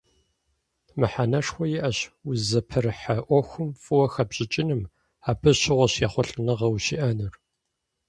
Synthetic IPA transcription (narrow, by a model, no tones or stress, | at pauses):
mɨħanɐʂxʷɔjɪʔɐɕʊzɐpʰɐrɨħɐʔʷɔxʷʊmfʼɨwɐxɐbʑʼɪt͡ʃʼɪnɨm | aːbɨɕɪʁʷɔɕjaχʷɔɬʼɨnɐʁɐwɕḭʔɐnɨr